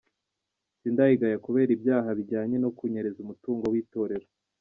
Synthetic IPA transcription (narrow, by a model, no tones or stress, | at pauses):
siːndahiɡajakuβe̞ːɾibjaːɦaβiɟaːɲe̞no̞kuɲeɾe̞zumutuːŋɡo̞wiːto̞ːɾe̞ɾo